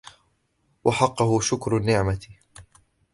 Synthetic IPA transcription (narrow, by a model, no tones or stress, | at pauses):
wɑħɑqːʊhʊʃʊkɾʊnːɪʕmat